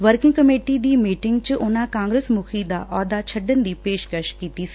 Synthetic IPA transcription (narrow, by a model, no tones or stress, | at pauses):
ʋəɾkɪ̃ŋɡkɐmeːʈid̪iːmiːʈɪŋɡt͡ʃɪʔʊnãkãːŋɡɾeːsmukʰid̪aʔɔːd̪at͡ʃʰɐɖənd̪iːpeːʃkəʃkiːt̪isi̥